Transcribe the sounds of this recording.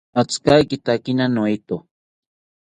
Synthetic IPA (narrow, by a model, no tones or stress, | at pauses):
at͡skajkɪt̪akinanoit̪o